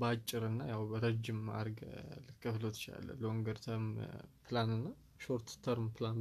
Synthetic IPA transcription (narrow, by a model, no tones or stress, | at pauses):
bəat͡ʃʼːɪɾɨnːajawbəɾəd͡ʒɪma̰ɾɡlɨkʰʼːəflot̪t͡ʃa̰lːə̰ləwɔŋɡəɾt̪ʰəɾmpʰlanɨnːa | ʃoɾt̪t̪ʰəɾmpʰlan